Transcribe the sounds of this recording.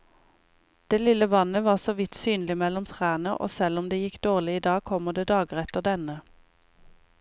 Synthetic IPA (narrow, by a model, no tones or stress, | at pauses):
d̪̥eːlɪləʋɑnəʋɑːʁsoːʋɪt̪syːnlɪmɛlɔmt̪ʰʁæːnəʁʔo̰ːsɛlɔmd̪eːjɪkd̪oːʁlɪiːd̪ɑːɡ̚kʰɔməʁd̪eːd̪ɑːɡəʁɛt̪əʁd̪ɛnə